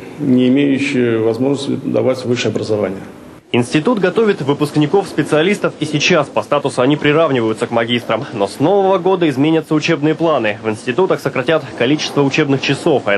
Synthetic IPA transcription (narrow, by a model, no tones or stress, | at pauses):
nʲɪɪmʲejʊɕːɪjəəvɐzmo̞ʐnəsʲt̪ʲɪd̪ɐ̰vatʲvɨʂɨjɐbɾəzɐvanʲɪjə | ɪnsʲtʲɪt̪ut̪ɡɐt̪ovʲɪt̪vɨpʊsknʲɪko̞fspʲɪt̪sɨɐlʲist̪əfisʲɪt͡ɕaspɐst̪at̪ʊsʊɐnʲipɾʲɪravnʲɪvəjʊt̪səkmɐɡʲist̪ɾəmno̞sno̞vəvəɡo̞d̪əɪzmʲenʲət̪səʊt͡ɕe̞bnɨjəplˠanɨvɨnsʲtʲɪt̪ut̪əxsəkɾɐtʲat̪kɐlʲit͡ɕɪ̥st̪vəʊt͡ɕe̞bnɨxt͡ɕɪso̞fɐ